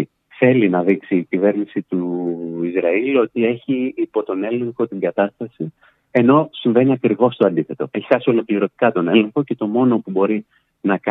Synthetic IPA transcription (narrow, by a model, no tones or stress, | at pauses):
θe̞linɐðiksiːcive̞ɾnisit̪uizɾɐilo̞t̪ie̞çiːpo̞t̪o̞ne̞le̞ŋxo̞t̪iŋɡɐt̪ɐst̪ɐsi | e̞no̞siɱve̞niɐkɾiɣo̞st̪o̞ɐnd̪iθe̞t̪o̞eçi̥sɐsio̞lo̞kliɾo̞t̪i̥kɐt̪o̞ne̞le̞ŋxo̞ce̞t̪o̞mo̞no̞pubo̞ɾi | nɐk